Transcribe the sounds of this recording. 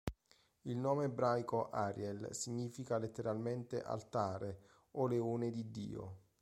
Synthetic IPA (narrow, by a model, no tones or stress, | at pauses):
ilnɔːmeːbɾajkoʔaɾjɛlsiɲːiːfikalet̪ːeɾalment̪eʔa̰lt̪aːɾe | oleuːned̪id̪ːḭːo̰